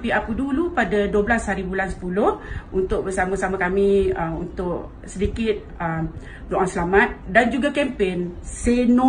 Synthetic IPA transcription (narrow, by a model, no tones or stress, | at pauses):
piapudulupadaduəblashaɾibulansə̥pulʊhunt̪ʊk̚bəsamãsamãkamĩəmṵnt̪ʊʔ | sədikɪt̪̚əm | doʔaŋsəlamãt̪̚dand͡ʒuɡakɛmpenseno